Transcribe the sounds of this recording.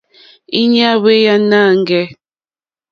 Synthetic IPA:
i˦ɲ˦a˦we˦ja˦na˦˨ŋ˦ɡɛ˦

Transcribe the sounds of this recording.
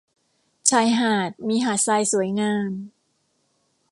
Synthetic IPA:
t͡ɕʰaː˧jɦaː˨˩t̪̚miː˧ɦaː˨˩t̪̚saː˧jsu˩˦əjŋaː˧m

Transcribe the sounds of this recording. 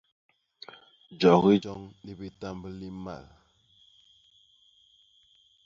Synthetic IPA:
d͡ʒɔ˨ɣi˦d͡ʒɔ˦ŋli˨bi˨ta˦mbə˦li˦ma̰˨l

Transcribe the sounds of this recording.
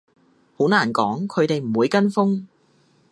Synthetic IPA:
ho˨˥naː˨˩nkɔː˨˥ŋkʰɵ˨˧ɥt̪e˨jm̩˨˩wuː˨˧jkɐ˥nfʊ˥ŋ

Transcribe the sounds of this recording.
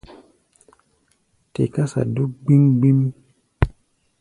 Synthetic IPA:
tḛ˨ka˦sa̰˨do˦ɡ͡bi˦ŋɡ͡bi˦mi˦

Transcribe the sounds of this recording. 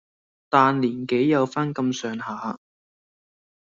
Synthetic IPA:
t̪aː˨˧nliː˨˩nke˨˥jjɐ˨˧wfaː˥nkɐ˧msœː˨ŋhaː˨˦

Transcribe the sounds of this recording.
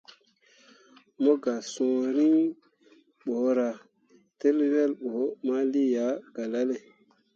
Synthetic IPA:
mo˦ɡa˨sõ˨ɾi˦ŋ | ɓo˨˦ɾa˨ | te˦lwe˦lɓo˨˦ma˦li˦ja˨˦ɡ̥a˨la˦le˨

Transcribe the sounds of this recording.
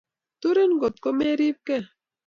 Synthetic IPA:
t̪u˦ɾe˦n˦ɡo˨t̪̚ko˦me˦ɾi˦p̚kɛ˦˨

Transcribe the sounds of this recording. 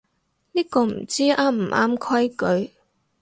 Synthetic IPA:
niː˥kɔː˧m̩˨˩t͡siː˥ʔaː˦˥m̩˨˩ʔa̰ː˥mkʰɐ˥jkɵ˨˧ɥ

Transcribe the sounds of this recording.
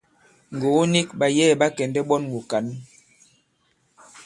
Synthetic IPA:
ŋ˨ɡo˨˦ni˦k̚ba˨jɛː˦˨ba˦kɛ˨ndɛ˦ɓɔ˦nmu˨ka˨˦n˦

